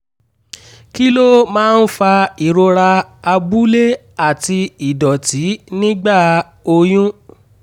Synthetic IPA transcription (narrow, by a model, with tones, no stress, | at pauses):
ki˦lo˦mãː˦˧n̩˦fa˧i˨ɾo˧ɾa˧a˧bu˦le˦ | a˦˨ti˧i˨dɔ˨ti˨˦nĩ˦ɡ͡ba˦˨ | o˧j̃ũ˦